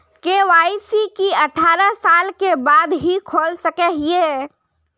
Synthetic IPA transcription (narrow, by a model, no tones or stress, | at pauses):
keʋaːisikiəʈʰaːɾəsaːlkebaːd̪ɦikʰoːlsəkɛɦie